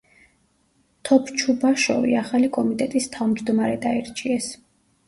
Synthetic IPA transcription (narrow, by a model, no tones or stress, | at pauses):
t̪ʰɔpʰt͡ʃʰubaʃɔ̰vḭaχalikʼɔmit̪ʼɛt̪ʼist̪ʰavmd͡ʒd̪ɔmaɾɛd̪aiɾt͡ʃʼiɛs